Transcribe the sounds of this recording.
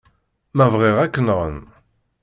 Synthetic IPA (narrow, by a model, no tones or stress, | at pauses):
mævʁeʁækːənʁə̰n